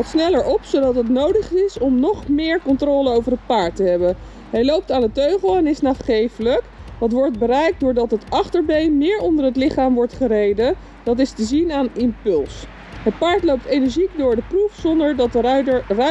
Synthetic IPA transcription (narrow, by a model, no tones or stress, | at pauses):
lˠtsnɛləɹɔpsowdɑtɦətnowdəχɪsɔmnɔχmɪːɹkɔntroːləowvərɦət̚paːɹtəɦɛbə | ɦɛjlowp̚taːnətøɥχəlˠɛnɪsnaːχχejfələkdɑtʋɔɹt̚bərɛjk̚dʊːɹdɑtɦətɑχtəɹbejnmɪːɹɔndəɹɦətlɪχaːmʋɔɹtχərejdə | d̥ɑt̬ɪstəzinaːnɪmpʏlˠs | ɦət̚paːɹtlowp̚tejnəɹʒikdʊːɹdəprufsɔndəɹdtrœ